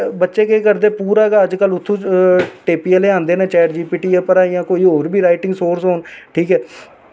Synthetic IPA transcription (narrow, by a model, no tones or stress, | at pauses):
bətːʃeːkeːkəɾd̪eːpuːɾaːɡaːəd͡ʒkəlʊt̪ʰːõːʈeːpiːɛleːãːnd̪eːnãːt͡ʃɛːəɾd͡ʒiːpiːʈiːɛːpəɾaːjãːkoːiːɦoːɾbʱiːɾaːɪʈɪ̃ŋɡsoːɾsɦoːnʈʰiːkɛː